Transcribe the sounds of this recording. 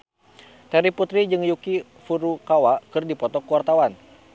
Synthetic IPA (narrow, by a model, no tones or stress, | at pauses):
t̪ɛɾiput̪ɾid͡ʒɨŋjuki | fuɾukawakɨrdipɔt̪ɔkuwart̪awan